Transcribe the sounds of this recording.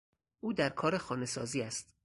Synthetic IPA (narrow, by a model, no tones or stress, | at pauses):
ʔuːd̪æɾkʰɒːɾexɒːne̞sɒ̰ːziːæst̪